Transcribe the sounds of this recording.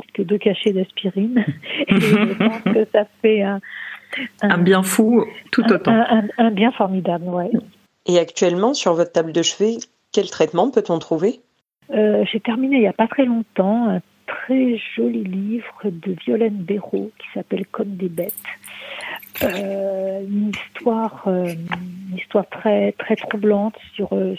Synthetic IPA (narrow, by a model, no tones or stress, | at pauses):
i̥k̪əd̪økaʃed̪ɛspiʁineʒəpɑ̃skəsafɛɛ̃ | ɛ̃ɛ̃bjɛ̃fut̪uot̪ɛ̃ɛ̃bjɛ̃fɔʁmid̪ablwɛ | eakt̪ɥɛlmɑ̃syʁvɔt̪t̪ːabld̪əʃve | kʲɛlt̪χɛt̪mɑ̃pøt̪ɔ̃t̪χuve | øʒet̪ɛʁmineiljapat̪χɛlɔ̃t̪ɑ̃ɛ̃t̪χɛʒɔlilivʁəd̪əvjɔlɛnbeʁokʲʰi̥sapɛlkɔmd̪ebɛt̪ | ø | ynist̪waʁøynist̪waʁt̪χɛt̪χɛt̪χublɑ̃t̪syʁø